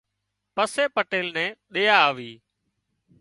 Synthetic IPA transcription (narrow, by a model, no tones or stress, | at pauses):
pəseːpəʈeːlnɛ̃ːɗeːaːʋiː